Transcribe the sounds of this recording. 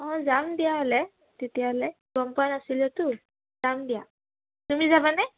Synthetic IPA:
ɔ̃d͡zamd̪ijaːle | t̪it̪ʰɛale | ɡɔmpanasilet̪u | d͡zamd̪ja | t̪um̤iːd͡zabanɛ

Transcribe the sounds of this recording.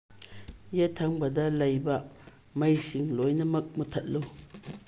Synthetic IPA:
jetʰːaŋbɐdɐlɐjbɐ | mɐjsiŋlojnɐmɐk̚mutʰɐt̚lu

